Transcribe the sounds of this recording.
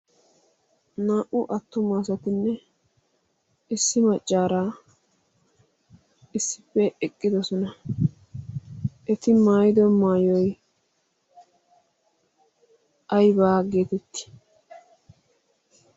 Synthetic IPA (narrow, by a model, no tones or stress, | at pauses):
naːʔʊʔɐt̪ːʊmaːs̬ɐt̪ɪnːɛ | ɪsːɪmɐt͡ʃʼːaːɾaː | ɪsːɪpːɛʔɛkʼːɪd̪ɔsɔnɐ | ʔɛt̪ɪmaːjɪd̪ɔmaːjɔj | ʔɐjbaːɡeːt̪ɛt̪ːɪ̥